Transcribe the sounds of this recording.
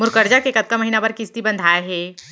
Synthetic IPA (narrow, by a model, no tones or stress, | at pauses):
mʊɾkəɾd͡ʒakekɐt̪̚kamɐɦiːnabaɾkɪst̪ibɐ̃nd̪ʱaːjaɦɛː